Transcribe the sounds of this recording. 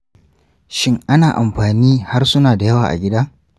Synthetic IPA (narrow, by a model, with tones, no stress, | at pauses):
ʃɪ˦ŋʔa˦naː˨ʔa˨mɸaː˨niː˦ha˦rsʊ˦naː˨da˨jɐ˦waː˨ʔa̰˨ɡʲɪ˦da˦